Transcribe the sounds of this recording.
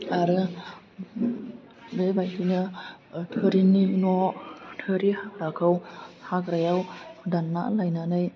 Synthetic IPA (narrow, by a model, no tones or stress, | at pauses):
aɾɯ | bebajhinɯtʰɯɾininɔtʰɯɾihakɾakʰɯwhakɾajawdanːa̰lajnanɯj